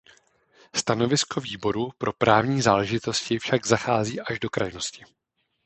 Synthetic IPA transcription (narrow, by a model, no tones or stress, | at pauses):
st̪ano̞vɪsko̞viːbo̞ɾupɾo̞pɾʔaːvɲiːzaːlɛʒɪt̪o̞scɪfʃaɡzaxaːziːʔaʒdo̞kɾa̰jno̞scɪ